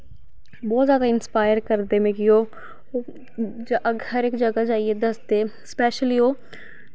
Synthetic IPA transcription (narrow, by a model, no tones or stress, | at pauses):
bɔːt̪zjaːd̪aːɪnspaːjəɾkəɾd̪eːmẽːkioː | d͡ʒʔəɡəɾɪkd͡ʒəɡaːd͡ʒaːieːd̪əsd̪eː | spɛːʃəliːoː